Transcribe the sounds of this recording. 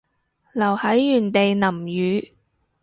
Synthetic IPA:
lɐ˨˩whɐ˨˥jːyː˨˩nt̪e˨jnɐ˨˩mjyː˨˧

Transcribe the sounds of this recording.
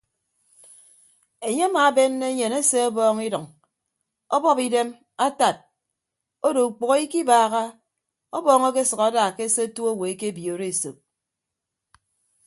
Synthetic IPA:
e˨ɲe˦a˦maː˨˦be˦nːe˦e˦ɲe˨ne˦se˦ɔ˦bɔː˦ŋi˦dɔ˨ŋ | ɔ˦bɔ˦pi˦de˦m | a˦ta˨t̚ | o˦do˨u˨k͡po˨ɣo˦i˦ki˦baː˨ɣa˦ | ɔ˦bɔː˦ŋe˦ke˦sɨ˨ka˨˦da˨ke˦se˦tu˦o˦we˨e˦ke˦bi˨o˨ɾe˦˨so̰˨p̚

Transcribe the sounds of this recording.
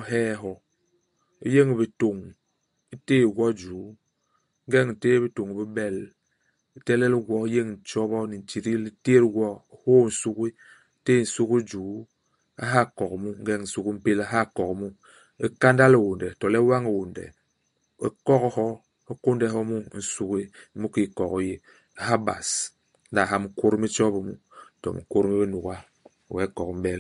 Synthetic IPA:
ɦɛː˦ɦɔ˨ | i˦je˦ŋ˨bi˨to˨ŋ | i˦teː˦˨ɡʷɔ˦d͡ʒuː˨˦ | ŋ̩˦ɡɛ˦ŋn̩˨teː˦bi˦to˨ŋi˨bi˦bɛ˦l | i˦te˦lɛ˦li˦ɡʷɔ˦i˦je˦ŋ˨n̩˨t͡ʃɔ˦bɔ˦ni˨n̩˨t͡ʃi˨ɾi˦li˦te˦ɾɡʷɔ˦hoː˦˨n̩˨su˦ki˦ | te˦˨n̩˨su˦ki˦d͡ʒuː˨˦ | a̰˦ɦa˦˨kɔ˨kmu˦ŋ̩˦ɡɛ˦ŋn̩˨su˦ki˦m̩˦pe˦la˦ɦa˦˨kɔ˨kmu˦ | e˦ka˦nda˦le˨wo˨ndɛ˨tɔ˨lɛ˦wa˦ŋe˨wo˨ndɛ̰˨ | e˦kɔ˦khɔ˦ | e˦ko˦ndɛ˦˨ɦɔ˦mu˦n̩˨su˦ki˦mu˦ki˦˨kɔ˨ko˨je˦ | a˨ɦa˦ba̰˨s | n̩˦da˨ɦa˦mŋ̩˦ko˦ɾmi˦t͡ʃɔ˦bɔ˨mu˦˨ | tɔ̰˨m̰˨˦ko˦ɾmi˦bi˦nu˨ka˦˨ | wɛ˨˦kɔ˨km˦bɛ˦l

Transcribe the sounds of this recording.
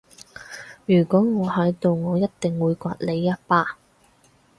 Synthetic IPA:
jyː˨˩kʷɔː˨˥ŋɔː˨˧hɐ˨˥jt̪o˨wŋɔː˨˧jɐ˥t̚t̪ɪ˨ŋwuː˨˧jkʷa̰ː˧t̚le˨˧jːɐ˥t̚paː˧

